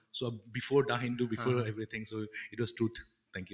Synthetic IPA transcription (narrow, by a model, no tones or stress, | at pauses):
sobifɔdaɦɛ̃ntubifɔɛvɹit̪ʰɪ̃ŋsoitwɔstɹut̪ | t̪ɛ̃ŋkju